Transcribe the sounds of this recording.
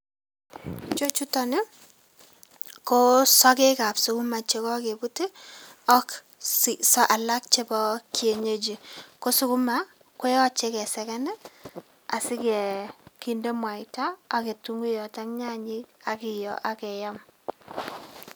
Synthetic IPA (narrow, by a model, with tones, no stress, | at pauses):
t͡ʃo˦t͡ʃu˦tɔ˦nɪ˦ | ko˦sɔ˦ke˦ka˨psu˦ku˦ma˨t͡ʃe˨kɔ˦ke˨bu˦te˦ | ɔ˦k | sɔ˦ʔa˨la˦k̚t͡ʃe˦bɔ˦kje˨ɲe˦d͡ʒi˨ko˦su˦ku˦ma˨˦ | kwe˦ɔ˦t͡ʃe˦kɛ˨sɛ˨kɛ˦nɛ˦ | a˨sɪ˦kɛ˨ki˦nde˦mwa˨taː˦˨ke˨tu˦ŋɡu˦jɔ˨ta˦ŋɲa˦ɲi˦ka˨kɪ˨jɔ̰˨ʔa˦kɛ˨ja˦m